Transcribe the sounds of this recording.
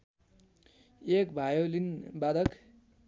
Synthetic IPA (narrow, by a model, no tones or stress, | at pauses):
ekbʱajolinbad̪ʌk